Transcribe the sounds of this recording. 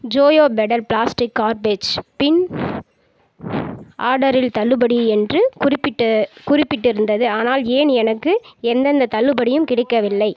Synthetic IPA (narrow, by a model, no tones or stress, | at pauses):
d͡ʒoːjoːbɛɽɐlpɭaːsʈɪkːaːɾbeːd͡ʒpɪn | ʔa̰ːɾɽɐɾɪlt̪ɐlːɯbɐɽiɛndrɯkʊrɪpːɪʈːkʊrɪpːɪʈːɪɾɯnd̪ɐðɯaːnaːleːnɛnɐkːɯɛnd̪ɐnd̪ɐt̪ɐlːɯbɐɽɪjɯmkɪɽɪkːɐʋɪlːɐɪ